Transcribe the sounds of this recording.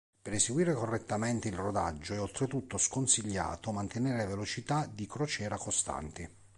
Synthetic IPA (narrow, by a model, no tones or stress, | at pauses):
peɾeseɡwiːɾekorːet̪ːament̪eilrod̪ad͡ʒːoɛolt̪ɾet̪ut̪ːoskonsiʎːa̰ːt̪omant̪eneɾeavelot͡ʃit̪ad̪ikɾot͡ʃɛːɾakost̪a̰nt̪ɪ